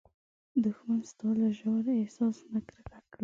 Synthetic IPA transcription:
d̪ʊxmanst̪ɑlaʒawɾesɑsnakɾkakɽi

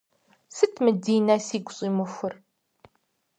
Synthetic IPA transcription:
sɨtʰmɨdiːnɐsiːɡʷɕʼiːmɨxʷʊr

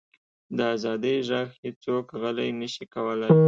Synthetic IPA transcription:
d̪əazɑd̪əjʒɑxhet͡sokɣəlajnəʃikawəlaj

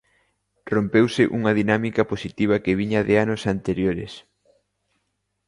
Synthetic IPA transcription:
rompewsɪʔuŋɐðinamikɐposit̪iβ̞ɐkeβiɲɐðeanʊsant̪eɾjoɾɪ̰s

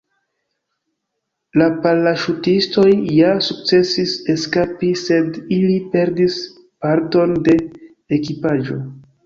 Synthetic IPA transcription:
lapalːaʃutisto̞jːasuk̚t͡se̞sise̞skapise̞dilipe̞ɾdis | paɾto̞nde̞ | ekipaʒo̞

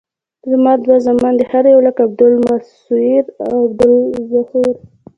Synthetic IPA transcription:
zmɑd̪wazamɑnd̪əhaɾjawlakab̚d̪ʊlmas | uiɾawwab̚d̪ʊlzahuɾ

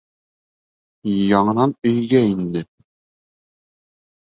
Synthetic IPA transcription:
jɑɴɤ̆nɑnɵ̆jɡæind̪ɘ

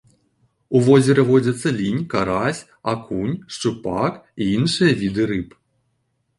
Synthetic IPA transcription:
uvɔzʲɛɾɐvɔd͡zʲɐt̪sːɐlʲinʲkaɾasʲ | akunʲʂt͡ʂɨpakiinʂɨjɐvʲid̪ɨɾɨp

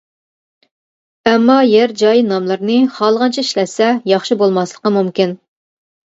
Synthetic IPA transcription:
ɛmːɑjɛɾd͡ʒɑjnɑmlˠɨɾnɨχɑlˠʁɑnt͡ʃʰɛiʃlɛt̪sɛjɑχʃibolˠmɑslˠə̥qəmumkʲin

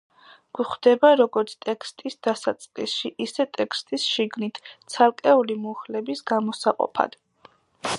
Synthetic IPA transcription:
ɡ̥uχd̪̥ɛbaɾɔɡɔɾt̪sʰt̪ʼɛkst̪ʼisd̪̥asat̪sʼqʼisʃiʔisɛt̪ʼɛkʰst̪ʼisʃiɡnit̪ʰt̪sʰalˠkʼɛulimuχlɛbisɡamɔsaqʼɔ̰pʰa̰d̪̥

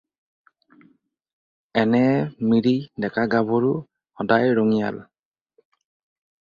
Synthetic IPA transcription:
ɛnɛmiɹidɛkaɡabɔɹu | xɔdajɹɔŋija̰l

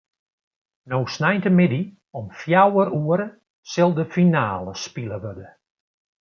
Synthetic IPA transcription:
nowsnɛjntəmɪdi | ɔmfjawəɾuəɾə | sɪlˠdəfinaːləspiləʋødə

